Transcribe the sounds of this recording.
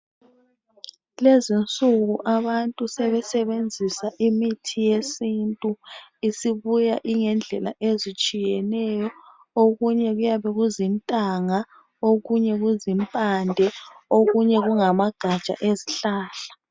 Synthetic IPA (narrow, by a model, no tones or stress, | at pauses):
lezint͡sʼuɣuʔaβantʼusɛβɛsɛβend͡zʱisaʔimitʰijesintʼuisiβujaʔiŋɛnd͡ɮʱɛla̰ʔezit͡ʃʼijɛnɛjɔ | oɣuɲɛɣujaβɛɣuzintʼaŋa | oɣuɲɛɣuzimpʼandʱɛoɣuɲɛɣuŋamaɡ̥ʱḁt͡ʃʼa̰ʔeziɬaːɬḁ